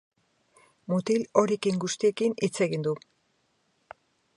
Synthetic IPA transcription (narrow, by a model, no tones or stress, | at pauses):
mut̪ilo̞ɾekiŋɡust̪ie̞kinit͡se̞ɣind̪u